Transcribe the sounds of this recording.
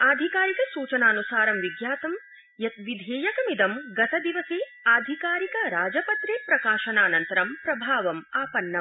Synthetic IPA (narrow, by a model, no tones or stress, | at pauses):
aːd̪ʱikaːɾikɐsuːt͡ʃɐnaːnusaːɾɐmʋiɡjaːt̪ɐm | jɐt̪ʋid̪ʱeːjɐkɐmid̪ɐmɡɐt̪ɐd̪iʋɐseː | aːd̪ʱikaːɾikɐɾaːd͡ʒɐpɐt̪ɾeːpɾɐkaːʃɐnaːnɐnt̪ɐɾɐmpɾɐbʱaːʋɐmaːpɐnːɐ